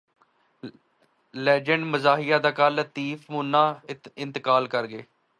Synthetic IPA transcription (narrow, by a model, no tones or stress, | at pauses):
lɛːd͡ʒəɳɖməzaːɦijaːd̪aːkəlt̪iːfʰmũːnãːɪnt̪əkaːlkəɾɡeː